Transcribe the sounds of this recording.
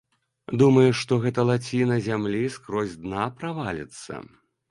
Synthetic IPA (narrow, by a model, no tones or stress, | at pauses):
d̪umɐjuʂt̪ɔɣɛt̪ɐlˠat͡sʲinɐzʲamlʲiskɾɔzʲd̪napɾavalʲɛ̰t̪sːɐ̰